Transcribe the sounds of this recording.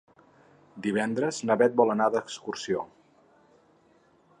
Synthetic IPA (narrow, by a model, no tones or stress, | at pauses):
d̪iβ̞ɛnd̪ɾəznəβɛt̪̚bɔlənaðəkskursio